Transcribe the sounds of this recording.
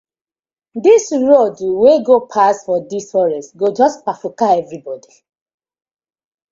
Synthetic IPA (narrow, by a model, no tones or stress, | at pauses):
disɹodweɡopʰasfɔdisfɔɹɛsɡod͡ʒɔspafukaɛvɹibɔdi